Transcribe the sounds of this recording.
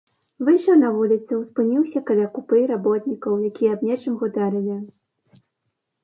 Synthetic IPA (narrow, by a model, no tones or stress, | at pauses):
vɨʂɐnɐvulʲit̪sɨwspɨnʲiwsʲɐkɐlʲakupɨɾabɔt̪nʲikɐwjakʲijɛːbnʲɛt͡ʂɨmɣud̪aɾɨlʲi